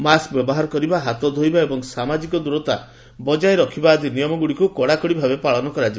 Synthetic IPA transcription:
maskbjɔbɔɦaɾɔkɔɾibaɦat̪ɔd̪ʱojbaebɔŋsamad͡ʒikɔd̪uɾɔt̪a̰ | bɔd͡ʒaeɾɔkʰibaːd̪inijɔmɔɡuɽikukɔɽakɔɽibʱabepaɭɔnɔkɔɾad͡ʒi

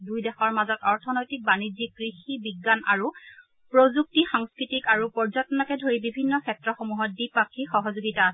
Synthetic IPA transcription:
dujdɛxɔɹmazɔtɔɹtʰɔnɔjtik̚banid͡ʒikkɹixibiɡːana̰ɹu | pɹozuk̚tixaŋskɹitikaɹupɔɹzɔtnɔkɛdʱoɹibibʱinːɔkʰɛtɹɔxomuɦɔt̚dipakʰːixɔɦɔzoɡitaːsɛ

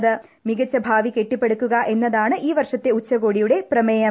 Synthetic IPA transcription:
ðɨ | miɡɐt͡ɕːɐbʱaːʋike̞ʈːipːe̞ɽukːuɣɐʔe̞nːɐðaːɳɨʔiːʋɐrʂɐt̪ːe̞ut͡ɕːɐɣo̞ːɽijuɽe̞prɐmeːjɐ

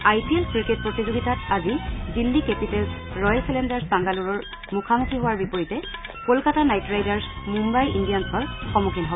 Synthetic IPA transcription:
ajpielkɹiket̚pɹotizoɡitatazidilːikepitɛlsɹɔjlsɛlendaɹsbaŋɡaluɹɔɹ | mukʰamutʰiɦowaɹbipoɹitɛkolkatanajtɹajdaɹsmumbajindijansʰɔɹxɔmukʰinɦɔbɔ

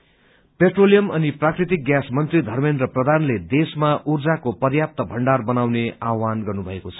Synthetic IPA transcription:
peʈrolijʌmʌniprakrit̪ik̚ɡjasmʌnt̪rid̪ʱʌrmend̪rʌprʌd̪ʱanled̪esmaʔurd͡zakopʌrjap̚t̪ʌbʱʌɳɖarbʌnawneawanɡʌrnubʱʌekot͡sʰʌ̥

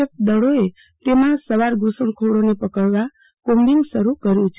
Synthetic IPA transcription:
əkd̪əɭoe | t̪emãsəʋaɾɡusəɳkʰoɽonepəkəɭʋa | kombiŋsəɾukəɾjũt͡ʃʰ

